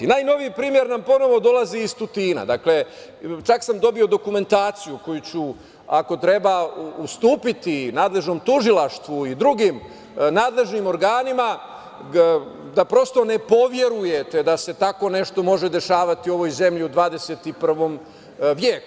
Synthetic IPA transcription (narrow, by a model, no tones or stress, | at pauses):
naːjno̞ʋiipɾiːmje̞ɾnampo̞no̞ʋo̞d̪o̞laziːst̪ut̪iːna̰d̪akle̞ | t͡ʃaksamd̪o̞bio̞d̪o̞kume̞nt̪aːt̪sijuko̞jut͡ɕu | ako̞t̪ɾe̞baust̪uːpit̪inaːd̪le̞ʒno̞mt̪uʒilaʃt̪ʋuid̪ɾuɡim | naːd̪le̞ʒnimo̞ɾɡaːnima | d̪apɾo̞st̪o̞ne̞po̞ʋje̞ɾuje̞t̪e̞d̪ase̞t̪ako̞ne̞ʃt̪o̞mo̞ʒe̞d̪e̞ʃaːʋat̪io̞ʋo̞jze̞mʎiud̪ʋaːd̪e̞set̪ipr̩ʋo̞m | ʋjeːku